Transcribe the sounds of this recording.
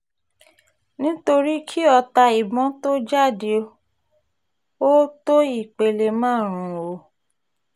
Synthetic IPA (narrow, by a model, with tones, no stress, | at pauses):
nĩ˦to˧ɾi˦kʰi˦ɔ˧ta˧i˨bɔ̃˨˦to˦d͡ʒa˦˨de˧ | o˦to˦i˦˨k͡pe˨le˧mãː˦˨ɾ̃ũ˨o˧˦